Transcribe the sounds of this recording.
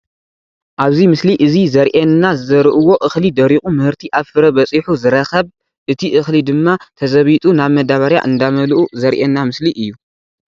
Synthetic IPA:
ʔaβzimɨsliʔɨzizɐɾʔenːazɨzɐɾʔɨwo̞ʔɨxlid̪ɐɾikʼumɨhɨɾt̪ʰiʔafɨɾɐbɐt͡sʼiħuzɨɾɐxɐβ | ʔɨt̪ʰiʔɨxlid̪ɨmːat̪ʰɐzɐβit̪ʼunaβmɐd̪aβaɾja̰ʔɨnd̪amɐlʔuzɐɾʔenːamɨsliʔɨjːu

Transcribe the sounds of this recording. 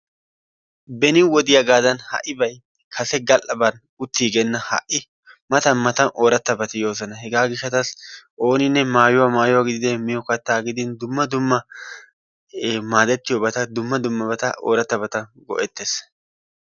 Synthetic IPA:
bɛnɪwɔd̪ɪjɐɡaːd̪ɐnhɐ̰ʔɪbɐj | kʰɐsɛɡɐlʔɐbɐn | ʊt̪ːiːɡɛnːɐhɐ̰ʔːɪ | mɐt̪ɐnmɐt̪ɐnʔoːɾɐt̪ːɐbɐt̪ɪjo̞ːzɐnɐɦɛɡaːɡɪʃːɐt̪ɐsʔo̞ːnɪnːɛmaːjʊwamaːjʊwaɡɪd̪ɪd̪ɛmɪjɔkɐt̪ːaːɡɪd̪ɪnd̪ʊmːɐd̪ʊmːɐ | maːd̪ɛt̪ːɪjɔbɐt̪ɐd̪ʊmːɐd̪ʊmːɐbɐt̪ɐʔo̰ːɾɐt̪ːɐbɐt̪ɐɡɔ̰ʔɛt̪ːes

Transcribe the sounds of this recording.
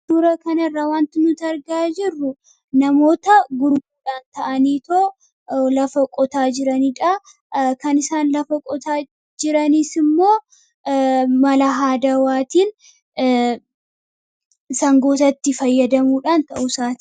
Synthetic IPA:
d̪uːɾɐkɐnɪrːawaːnt̪ɪnʊt̪ɐɾɡaːd͡ʒɪrːʊ | nɐmo̞ːt̪ɐɡʊɾmuːᶑaːnt̪ɐʔɐniːt̪oː | lɐfɐkʼɔt̪aːd͡ʒɪɾɐniːᶑɐ | kɐnɪsaːnlɐfɐkʼɔt̪aː | d͡ʒɪɾɐniːsɪmːo̞ː | mɐlɐɦaːd̪ɐwaːt̪iːn | sɐŋɡo̞ːt̪ɐt̪ːɪfɐjːɐd̪ɐmuːᶑaːnt̪ɐʔʊsaːt̪ɪ̥

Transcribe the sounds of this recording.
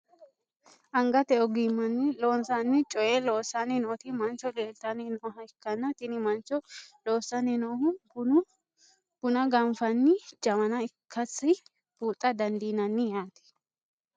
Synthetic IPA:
ʔɐŋɡɐt̪ɛɔɡimːɐnːɪloːnsanːɪt͡ʃʼɔjeloːsːanːɪnoːt̪ɪmɐnt͡ʃɔleːlt̪ɐnɪnoːɦɐɪkːɐnːɐt̪ɪnɪmɐnt͡ʃɔloːsːɐnɪnoːhʊb | b̥ʊnɐɡɐmfɐnːɪd͡ʒɐmɐnɐɪkʰːɐsɪ | b̥uːt̪ʼːɐd̪ɐnd̪iːnɐnːɪjaːt̪ɛ̥

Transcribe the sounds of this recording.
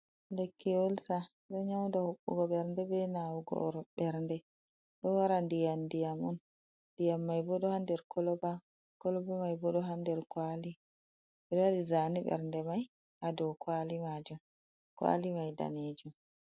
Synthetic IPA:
lekʰːiolsa | ɗɔɲawndahoɓːṵɡɔɓɛɾndɛbɛnawɡɔ̰ɾɓɛɾndɛ | ɗɔwaɾandijandijamɔn | dijamːajbɔɗɔhandɛɾkʰɔlɔba | kɔlɔbamajbɔɗɔɦandɛɾkwali | bɛɗwaɗizaniɓɛ̰ɾndɛmaj | adɔwkwalimad͡ʒum | kwa̰limajda̰ned͡ʒum

